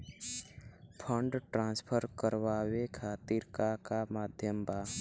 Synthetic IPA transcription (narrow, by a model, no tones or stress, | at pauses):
pʰə̃ɳɖʈɾãnspʰəɾkəɾʋaːwekʰaːt̪iɾkakamaːd̪ʱjəmbaː